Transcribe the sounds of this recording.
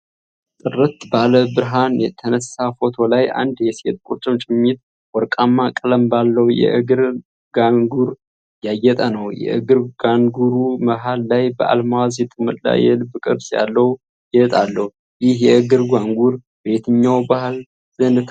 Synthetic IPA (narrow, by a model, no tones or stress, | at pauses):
t̪ʼɨrɨt̪baləbɨɾɦanjɛt̪ʰənəsːafo̞t̪ʰo̞lajʔa̰nd̪jɛset̪̚ʼkʼuɾt͡ʃʼɨmt͡ʃʼɪmːit̪ | wɔɾkʼamːakʼɨləmbalːəwjɛ̰ʔɨɡɨɾ | ɡaŋɡuɾ | jajːɛt̪ʼənəwjɛ̰ʔɨ̰ɡɨɾɡaŋɡuɾuməɦalːajbəʔa̰lmawazjɛt̪ʼɨmɨt̪ʼla̰jɛlɨbɨkʼɨɾsja̰lːəhu | ɪət̪ʼalːəh | jɪhjɛɨɡɨɾɡaŋɡuɾ | be̞t̪ʰɨɲːawbahl | zɨnɨt̪ʰ